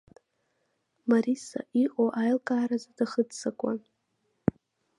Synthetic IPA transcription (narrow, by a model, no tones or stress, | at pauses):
maɾisa̰ʔiʔʼoʔajlkʼaːɾazadaχədsakʷʼa̰n